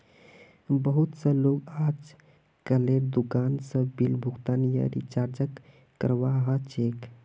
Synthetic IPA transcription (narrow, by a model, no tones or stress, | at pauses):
bəɦut̪səloɡad͡ʒ | kəleɾd̪ukansə̃bilbʱukt̪anjə̰ɾḭt͡ʃaɾd͡ʒəkː | ə̰ɾʋaɦət͡ʃek